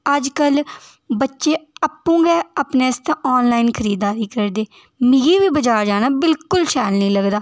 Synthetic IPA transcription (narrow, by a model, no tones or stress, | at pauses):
əd͡ʒkəl | bətːʃeːapːũːɡɛːapneːst̪ãːʔɔːnlaːiːnkʰəɾiːd̪ːaːɾiːkəɾd̪eː | mĩːɡiːʋiːbəd͡ʒaːd͡ʒaːnaːbɪlkʊlʃɛːlnəĩːləɡd̪aː